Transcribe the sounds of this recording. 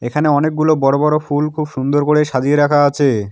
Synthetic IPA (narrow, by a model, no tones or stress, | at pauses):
ekʰaneɔnek̚ɡulobɔɾobɔɾofulkʰubʃund̪oɾkoɽeʃad͡ʑieɾakʰaat͡ɕʰe